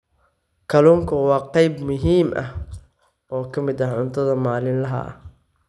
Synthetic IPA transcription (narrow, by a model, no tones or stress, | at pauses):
kʰɐluːŋkʰɐwɑːqɑjbmʊɦiːmʔɐ̰h | ɔːkʰɐmɪd̪ɐʕʊnt̪ʰɐðɐmaːlɪnlɐɦɐ̰ʔɐ̰